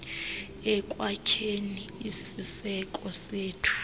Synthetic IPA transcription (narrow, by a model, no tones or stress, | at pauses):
ɛkʼwakʰeniisisɛkʼɔseːtʰu̥